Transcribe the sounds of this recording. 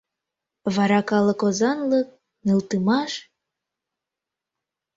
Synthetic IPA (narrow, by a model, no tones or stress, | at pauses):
βɑɾɑkɑlɤ̆kozɑnlək̚ | nɨlˠt̪ɯmɑʃ